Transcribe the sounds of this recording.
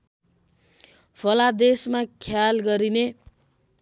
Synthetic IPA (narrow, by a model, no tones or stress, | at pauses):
pʰʌlad̪esmakʰjalɡʌɾine